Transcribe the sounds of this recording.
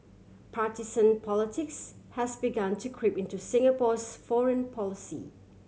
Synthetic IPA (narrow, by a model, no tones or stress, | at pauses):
pʰɹatisə̃npʰɔlɪtʰɪkshɛsbiɡãntʰukʰɹipɪ̃ntusɪ̃ŋəpɔsfɔɹə̃npʰɔlɪsḭ